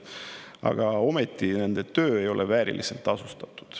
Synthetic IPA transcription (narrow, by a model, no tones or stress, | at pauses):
ɑ̰ɡ̥ɑo̞me̞t̪ːˑine̞nd̪̥e̞t̪ø̞ːe̞jo̞lʔevæːɾḭlise̞lt̪ːˑɑsust̪ɑt̪ːˑu̥d̪̥